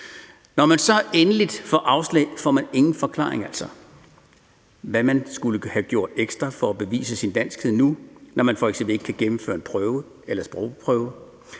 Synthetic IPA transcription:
nɒmænsɒ̽enəlid̥fɒʔɑ̈ʊslɛ̰ɪfɒ̰ːmæne̝ŋn̩fɒ̽kʰlɑ̰̈ːeŋæl̰sɒ̽ | ʋæmænsɡ̥uləhæɡ̥jo̝ɐ̰d̥eɡ̥sd̥ʁɐfɒ̽æb̥e̝ʋḭːsəsind̥æn̰sɡ̥heð̰ˠnunɒmænfɒeɡ̥sembl̩e̝ɡ̥ə̥kʰæɡ̥emm̩fø̰ːɐe̝npʰʁœːʊə | elɐsb̥ʁɔʊ̰pʰʁœʊə

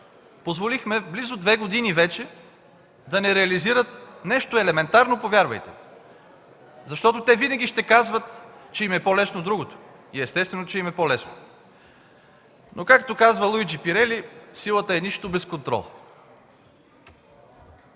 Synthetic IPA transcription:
pozvolixmɛblizʊd̪vɛɡod̪inivɛt͡ʃɛ | d̪ɐnɛɾɛɐliziɾət̪nɛʃt̪oɛlɛmɛnt̪aɾnopovʲjaɾvɐ̰jt̪ɛ̰ | zɐʃt̪ɔt̪ot̪ɛvinɐɡʲiʃt̪ɛkazvət̪t͡ʃɛimɛpɔlɛsnod̪ɾuɡot̪o̥ | iɛst̪ɛst̪vɛnot͡ʃɛimɛpɔlɛsno̰ | nokakt̪okazvəlˠujd͡ʒipiɾɛlisilˠət̪əɛniʃt̪obɛskont̪ɾɔ̰lˠ

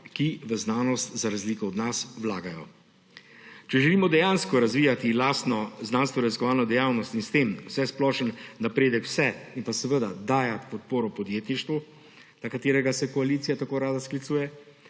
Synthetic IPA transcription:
kiʋəznaːnɔst̪zaɾazliːkɔːd̪naswlaːɡajɔ̰ | t͡ʃɛʒɛliːmɔd̪ɛjaːnskɔɾazʋiːjat̪ilaːsnɔznaːnst̪ʋɔɾɛziskɔʋaːlnɔd̪ɛjawnɔst̪inst̪eːmwsɛsplɔʃənːapɾeːd̪əkw̥sɛinpasɛʋəd̪ad̪aːjat̪pɔt̪̚poːɾɔpɔd̪jeːt̪niʃt̪ʋu | nakat̪eːɾɛɡasɛkɔalit̪sijat̪akoːɾaːd̪asklit̪suːjɛ

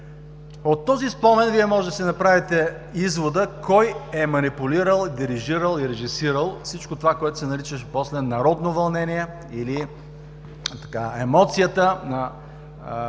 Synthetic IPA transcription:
ot̪ːɔzispɔnɛnviɛmɔʒɛd̪ɐsɛnɐpɾavit̪ɛ | izvod̪əkɔjɛmɐnipʊliɾəlˠid̪iɾiʒiɾəlˠiɾɛʒisiɾəlˠfsit͡ʃkot̪ovakoɛt̪ʊ̥sɛnɐɾit͡ʃəʃposlɛnɐɾɔd̪novɐlˠnɛniɛ | ili | t̪ɐ̥kaɛmɔt̪sijət̪ənɐ

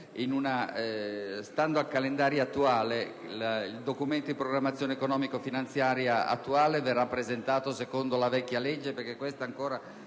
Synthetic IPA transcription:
inuna | st̪and̪oalkalend̪aːɾjaat̪ːuaːle | lild̪okument̪od̪ipɾoɡɾamːat̪sːjoːnekonɔːmikofinant̪sjaːɾjaa̰t̪ːuaːleverːapːɾezent̪aːt̪osekond̪olavɛkʲːaled͡ʒːeperkekːwest̪aːŋkoːɾa

